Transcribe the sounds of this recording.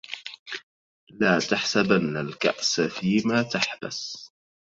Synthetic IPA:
laːt̪aħsabanːalka̰ʔsfiːmaːt̪aħba̰s

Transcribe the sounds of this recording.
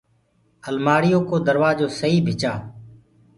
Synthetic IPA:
əlmaːɽɪjoːkoːd̪əɾʋaːd͡ʒoːsəɦiːbʱɪt͡ʃaː

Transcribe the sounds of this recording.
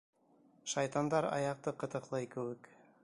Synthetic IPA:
ʃɑjt̪ɑnd̪ɑɾɑ̰jɑq̚t̪ɤqɤ̆t̪ɤ̆qlˠɑjkɘ̆wɘk

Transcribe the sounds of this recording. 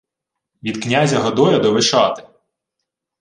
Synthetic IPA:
ʋʲid̪knʲazʲɐɦɔd̪ɔjɛd̪ɔʋɪʃɑt̪ɪ̥

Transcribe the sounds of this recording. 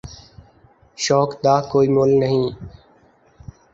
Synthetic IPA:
ʃɔːkd̪aːkoːiːmoːlnəɦĩː

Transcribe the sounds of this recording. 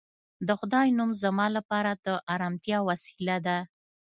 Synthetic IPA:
d̪əxʊd̪ɑjnumzamɑlapɑɾad̪əʔɑɾɑmt̪jɑwasi̥lad̪a

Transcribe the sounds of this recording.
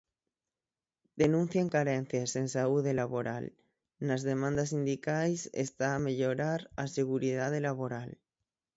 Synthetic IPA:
d̪̥e̞nũn̟θjaŋkaɾenθjasensauðelaβo̞ɾa̰l | nazðe̞mãnd̪as̬ind̪ikajsḛst̪aːmeʎoɾaɾaseɣ̞uɾiðað̞elaβo̞ɾal

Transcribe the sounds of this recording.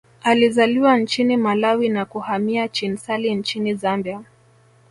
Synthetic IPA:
alizaliwant͡ʃinimalawinakuhamiat͡ʃinsalin̩t͡ʃinizambia

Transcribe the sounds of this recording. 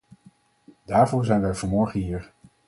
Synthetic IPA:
d̥aːɹvʊːɹzɛjnʋɛjvɔnmɔɹχənɦiːɹ

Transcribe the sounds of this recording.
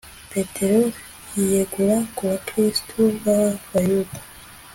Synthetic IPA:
petʰe̞ɾo | jijeɡuɾakuβakɾisi̥tʰuβaβajudḁ

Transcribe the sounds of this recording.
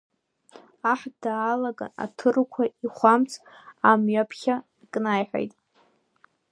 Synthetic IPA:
aħdaːlaɡa̰a̰tʰɨrkʷʰaiχʷamt͡sʰamɥapʰχʲa | kʼnajħʷᶣa̰jtʼ

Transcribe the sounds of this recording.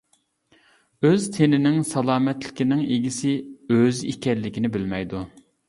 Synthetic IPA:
øzt̪ʰenɪnɪŋsɑlˠɑːmɛt̪lɪ̥kʲinɪŋeɡʲisɪøzḭkʲɛlːɪkʲinɪbɪlmɛjd̪u

